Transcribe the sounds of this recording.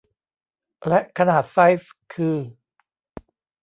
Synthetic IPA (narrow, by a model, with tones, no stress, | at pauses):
lɛ˦˥ʔkʰa˧naː˨˩t̪̚sa˦˥jskʰɯː˧